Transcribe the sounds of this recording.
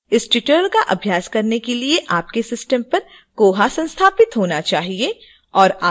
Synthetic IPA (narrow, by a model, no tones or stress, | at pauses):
ɪsʈɪʈəɾlkaʔɐbʱjaːskɐɾnekelieʔaːp̚kesɪsʈəmpɐɾ | koːɦasɐ̃nst̪ʰaːpɪt̪ɦoːnat͡ʃaːɦie | ɔːɾaː